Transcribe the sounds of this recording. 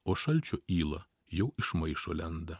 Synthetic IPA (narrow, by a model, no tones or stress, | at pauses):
oːʃɐlʲt͡ʃʲoːʔiːlˠɐ | jɛʊʔɪʃmɐɪʃoːlʲɛnd̪ɐ